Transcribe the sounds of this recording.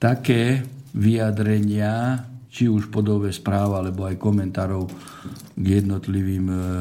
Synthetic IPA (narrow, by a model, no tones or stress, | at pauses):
t̪akɛː | ʋijad̪ɾɛɲɪat͡ʃiuʃpɔd̪ɔbɛspɾaːʋalɛbɔajkɔmɛnt̪aːɾɔʊ | ɡjɛd̪nɔt̪liʋiːm